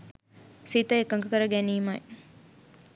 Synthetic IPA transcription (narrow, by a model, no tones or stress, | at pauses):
sit̪əekəŋɡəkəɾəɡæniːmaḛ